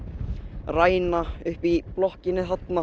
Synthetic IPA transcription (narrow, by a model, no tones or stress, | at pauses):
raːjnaʏhpiplɔhcɪnːɪɦat̪na